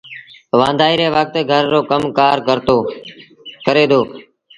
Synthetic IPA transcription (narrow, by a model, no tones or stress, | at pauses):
ʋãːnd̪ʱaːiːɾeːʋək̚t̪ɡʱəɾːoːkəmkaːɾkəɾt̪oː | kəɾeːd̪oː